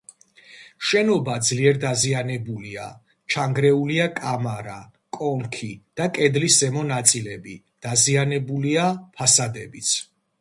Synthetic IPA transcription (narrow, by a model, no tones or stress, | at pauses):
ʃɛnɔbad̪zliɛɾd̪azianɛbulia̰ | t͡ʃʰaŋɡɾɛuliakʼamaɾa | kʼɔŋkʰid̪̥akʼɛd̪lisɛmɔnat̪sʼilɛbi | d̪̥azianɛbuliapʰasad̪ɛbit̪sʰ